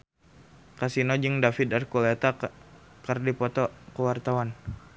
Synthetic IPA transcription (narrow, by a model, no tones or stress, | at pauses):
kasinɔd͡ʒɨŋdafit̪arkulet̪a | kərdipɔt̪ɔkəwart̪awan